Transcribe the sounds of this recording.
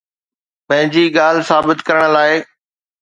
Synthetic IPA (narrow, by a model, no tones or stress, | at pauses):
pɐ̃ɦɪ̃ɲd͡ʑiːɠaːl̤saːbɪt̪kɐɾəɽ̃laːɪ